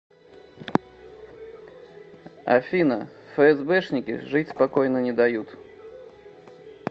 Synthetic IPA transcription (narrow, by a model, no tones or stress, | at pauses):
ɐ̰fʲinɐ | fɛɛzbɛʂnʲɪkʲḭʐɨtʲspakɔjnənʲɛd̪ajut̪